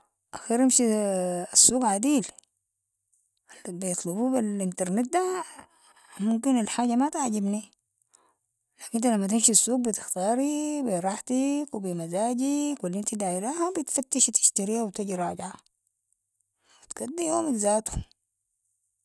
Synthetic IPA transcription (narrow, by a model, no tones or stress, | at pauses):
ʔaxiːɾʔamʃiasːuːɡʕad̪iːl | lbijɨt̪ˤlububilʔint̪ɑɾˤnet̪̚d̪a | mʊmkinalħaːɟamat̪aʕɟibni | laːkint̪alamːat̪ɪmʃsːuːɡ̚bit̪ɪ̥xt̪ɑːɾibiɾˤɑːħt̪ikwbimazaːɟikwalːʔint̪id̪aːʔɪɾaːhabit̪fat̪ːiʃt̪ɪ̥ʃt̪aɾiːhawt̪aɟiɾˤɑːɟʕa | at̪ɡ̥ad̪ːijoːmikzaːt̪um